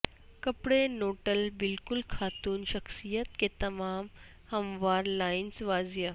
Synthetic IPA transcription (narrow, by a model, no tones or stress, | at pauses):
kəpɽenoːʈəlbilkulkʰaːt̪uːnʃɐksijət̪̚ket̪ɐmaːm | hɐmʋaɾlainsʋaːzjə